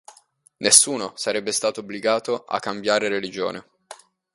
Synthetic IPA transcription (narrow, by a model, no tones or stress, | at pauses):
nesːuːnosaɾɛbːest̪aːt̪oobliɡaːt̪oʔa̰kːambjaːɾeɾelid͡ʒo̰ːne